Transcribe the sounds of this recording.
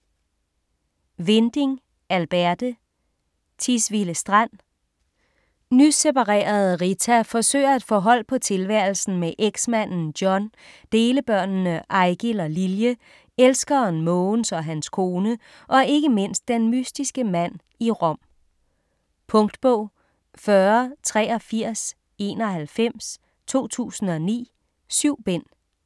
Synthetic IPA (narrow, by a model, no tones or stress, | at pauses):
ʋend̥eŋ | ælb̥æɐd̥ə | t͡sʰisʋiləsd̥ʁan̰ | nysepɑ̈ʁḛːɐð̞̩ˠʁit͡sʰæfɒ̽sø̰ːɐe̝d̥fɒ̽ɦɒ̽l̰pʰɒ̽t͡sʰe̝lʋæɐl̩sn̩meʔeɡ̥smæn̰n̩d̥jɒ̽n | d̥e̝ːləb̥ɶɐ̰nnəʔɑ̈ɪɡ̥ilɒliljə | elsɡ̥ɐnmɔnsɒ̽ɦænskʰo̝ːnə | ʔɒ̽e̝ɡ̥əme̝n̰sd̥ːenmysd̥isɡ̥əmæn̰ | iʁɒ̽m̰ | pʰɔ̽ŋd̥b̥ɔ̽ʊ̰ | fɶɐt͡sʰʁɛ̰ːɒ̽fiɐ̰s | e̝̰ːnɒ̽ɦælfem̰s | t͡sʰo̝̰ːt͡sʰṵːsn̩ɒ̽nḭː | syʊ̰b̥en̰